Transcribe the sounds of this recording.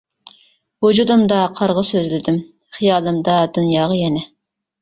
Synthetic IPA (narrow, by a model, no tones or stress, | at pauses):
wud͡ʒud̪ɨmd̪ɑqʰɑɾʁəsøzlɪd̪ym | χijɑːlˠɨmd̪ɑd̪unjɑːʁɑjɛnɛ